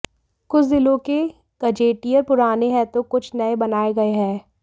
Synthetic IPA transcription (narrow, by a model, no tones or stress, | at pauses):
kʊt͡ʃʰd̪ɪlõke | ɡ̥ɐd͡ʒeːʈijəɾpʊɾaːneɦɛ̃t̪okʊt͡ʃʰnɐebɐnaːeɡɐeɦɛ̃ː